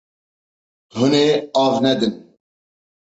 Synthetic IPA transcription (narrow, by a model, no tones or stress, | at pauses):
huneɑːvnɛd̪ɨn